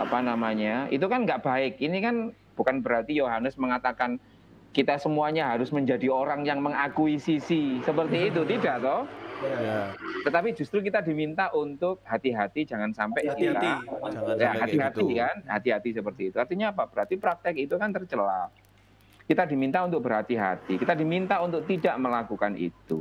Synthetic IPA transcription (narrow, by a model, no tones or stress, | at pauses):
apanamaɲaḭt̪̬ukanŋɡaʔb̥aɪk̚inikan | b̥ukanbəɾɦat̪ijoɦanəsməŋat̪akan | kit̪asəmuaɲaɦaɾʊsməɲd͡ʒadioɾaŋjaŋməŋakuisisisəpərt̪iːt̪̬ut̪idaʔt̪ɔh | t̪ət̪apid͡ʒust̪ɾukit̪adimint̪aʔunt̪ʊk̚ɦat̪iɦat̪id͡ʒaŋansampɛʔsila | jaɦat̪iɦat̪ikanhat̪iɦat̪isəpərt̪iːt̪uart̪iɲaːpab̥əɾɦat̪ipɾak̚t̪ɛkit̪ukant̪ərt͡ʃəla̰ | kit̪adimint̪aunt̪̬ʊk̚bəɾɦat̪iɦa̰t̪ikit̪adimint̪aunt̪ʊk̚t̪idaʔməlakukanḭt̪ṵ